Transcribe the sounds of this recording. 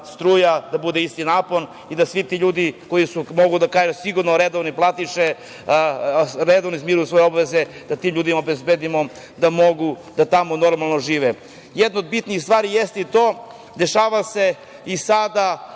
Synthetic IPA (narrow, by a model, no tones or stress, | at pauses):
st̪ɾuːjad̪abud̪eist̪inaːpo̞n | id̪asʋit̪iʎuːd̪ikojisumo̞ɡud̪akaːʒusiɡuɾnoɾed̪oʋniplˠat̪iʃe | ɾed̪oʋnizmiɾujusʋo̞jeo̞baʋezed̪̥at̪iːmʎuːd̪imaobezbed̪imo̞ | d̪amo̞ɡud̪̥at̪amono̞ɾmalˠno̞ʒiːʋe | jed̪nood̪bit̪niixst̪ʋaːɾijest̪it̪oː | d̪e̞ʃaːʋase̞ | isad̪a